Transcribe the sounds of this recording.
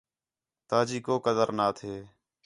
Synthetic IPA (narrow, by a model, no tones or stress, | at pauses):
t̪aːd͡ʒiːkoːkəd̪əɾnaːt̪ʰeː